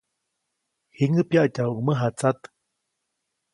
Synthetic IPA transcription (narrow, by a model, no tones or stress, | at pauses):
hiŋɨpjaʔcauməɦat͡sat̪